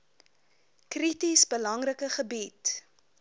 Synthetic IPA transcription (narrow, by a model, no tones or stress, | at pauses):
kritisbəlɐŋrəkəχəbit